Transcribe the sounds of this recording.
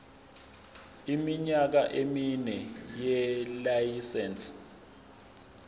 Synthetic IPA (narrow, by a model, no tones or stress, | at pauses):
imiɲak̬aʔeminɛjɛlajisɛns